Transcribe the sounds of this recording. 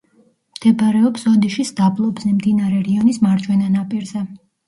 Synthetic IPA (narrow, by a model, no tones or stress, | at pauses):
md̪̥ɛbaɾɛɔpsɔd̪iʃisd̪ablˠɔbzɛmd̪inaɾɛɾiɔnismaɾd͡ʒwɛnanapʼiɾzɛ